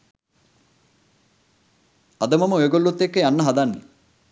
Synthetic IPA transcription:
ɐd̪ɐmɐməojɐɡolːut̪ːekːəjanːɐɦɐd̪anːii

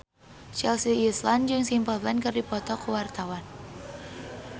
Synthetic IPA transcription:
t͡ʃɛlsiːsland͡ʒɨŋsimpəlbɛnkɨrdipɔt̪ɔkəwart̪awan

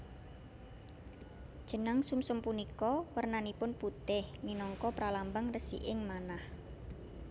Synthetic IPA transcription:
d̥ʒ̥ə̤naŋsumsʊmpunikɔwərnanipʊnput̪ɪhminɔŋkɔpɾalambəŋrəsḭʔɪŋmanah

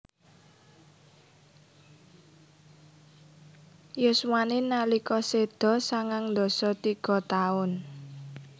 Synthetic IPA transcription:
jʊswaninalikɔsed̪̥ɔ̤saŋaŋnd̪ɔ̤sɔt̪iɡ̥ɔ̤t̪aʊn

